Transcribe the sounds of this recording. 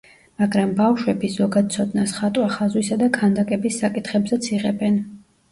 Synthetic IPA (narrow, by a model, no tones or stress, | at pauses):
maɡɾambafʃwɛbizɔɡad̪̥̚t̪sʰɔd̪nasχat̪ʼwaχazwisad̪akʰand̪akʼɛbisːakʼit̪ʰχɛbzɛt̪sʰiʁɛbɛn